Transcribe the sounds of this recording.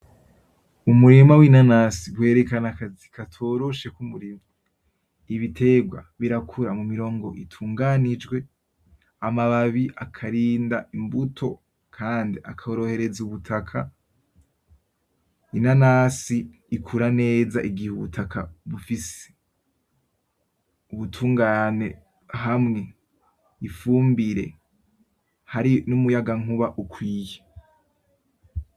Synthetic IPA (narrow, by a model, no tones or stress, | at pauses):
umuɾimawinanasiɡwe̞ːɾe̞kanakazikʰatʰo̞ɾo̞ʃe̞kumuɾima | iβitʰe̞ɡwa̰βiɾakʰuɾamumiɾo̞ːŋɡo̞ʔitʰuːŋɡanid͡ʒɡwe̞ | amaβaβiʔakʰaɾiːndaimbutʰo̞ | kʰaːndiakʰaoɾo̞he̞ɾe̞zuβutʰakʰa | inanaːsiː | kʰuɾane̞ːzaʔiɡihuβutʰakʰa̰βufise̥ | uβutʰuːŋɡane̞̰ | ɦamŋe̞ | ifuːmbiɾe̞̰ | haɾinumujaɡaŋ̥uβaʔukʰwiːje